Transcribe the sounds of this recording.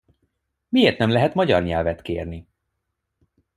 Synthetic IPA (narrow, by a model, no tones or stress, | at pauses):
mieːrt̪nɛmlɛɦɛt̪mɒɟɒrɲɛlvɛt̪keːrni